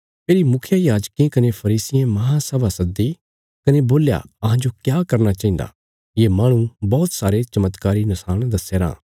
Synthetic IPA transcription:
pʰeːɾimʊkʰjajaːd͡ʒkẽkɐnepʰɐɾiːsɪjẽmɐɦãsɛʋasɐd̪i | kɐneboːlja̰ɐɦãd͡ʒokjaːkɐɾnat͡ʃaːĩnd̪a̰ | jeːmaːɽ̃ũbɔːt̪saːɾet͡ʃɐmət̪kaːɾinɐsaːɽ̃d̪ɐsːeːɾã̰ː

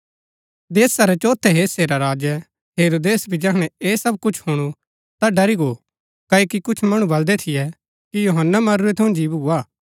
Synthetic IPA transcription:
d̪eːsaɾɛt͡ʃoːt̪ʰɛɦeːseɾaɾaːd͡ʒɛ | ɦeːɾoːd̪eːsbʱid͡ʒɐkɽ̃ɛeːsɐb̚kʊt͡ʃʰhʊɽ̃u | t̪aɖɐɾiɡo | kɐːokikʊt͡ʃʰmɐɽ̃ũbɐld̪ɛt̪ʰɪjɛ | kijoːɦənːamɐɾuɛt̪ʰɐũd͡ʒiːbɦuaː

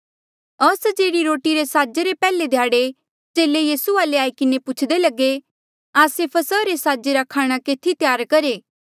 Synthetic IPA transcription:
ɐsd͡ʒeːɾiɾoːʈiɾesaːd͡ʒeɾepɛːled̪ʱjaːɽe | d͡ʒeːlejiːsuaːleaːikɪnepʊt͡ʃʰd̪elɐɡe | aːsepʰɐsəɾesaːd͡ʒeɾakʰaːɽ̃akeːt̪ʰit̪jaːɾkɐɾeː

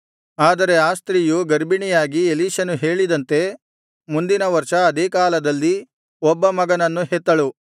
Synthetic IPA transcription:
aːd̪ɐɾe̞aːst̪ɾijuɡɐɾbiɳijaːɡieliːʃɐnuɦe̞ːɭid̪ɐnt̪e̞ | mund̪inɐʋɐɾʃɐːd̪eːkaːlɐd̪ɐlːi | ɔbːɐmɐɡɐnɐnːuɦet̪ːɐɭu

